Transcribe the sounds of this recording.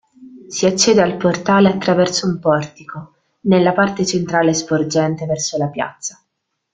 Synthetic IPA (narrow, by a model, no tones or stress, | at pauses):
siat͡ʃːɛːd̪ealport̪aːleat̪ːɾavɛrsoumpɔrt̪iko | nelːapart̪et͡ʃent̪ɾaːlespord͡ʒɛnt̪evɛrsolapja̰t̪sːḁ